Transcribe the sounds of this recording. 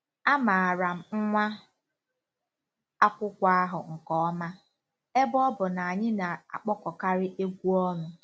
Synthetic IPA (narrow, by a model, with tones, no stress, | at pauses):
a˦ma˨a˨ɾa˨m̩˨ŋ̩˦ŋʷa˦ | a˦kʷʊ˦kʷa˦a˦ɦʊ˨ŋ̩˨kɔ˦ma˦ | e˦bɔ˦bʊ˨na˨a˨ɲɪ˦na˨a̰˨k͡pɔ˦kɔ˨ka˦ɾɪ˦ʔe˦kʷu˦ɔ˦nʊ˨